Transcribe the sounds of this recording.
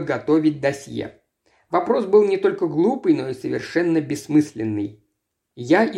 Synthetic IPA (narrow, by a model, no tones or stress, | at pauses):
ɡɐt̪o̞vʲɪt̚ʲd̪ɐsʲjḛ | vɐpɾo̞sbɨlˠnʲɪt̪o̞lʲkəɡlˠupɨjno̞isəvʲɪ̰rʂɛnːəbʲɪsːmɨsʲlʲɪnːɨj | jaɪ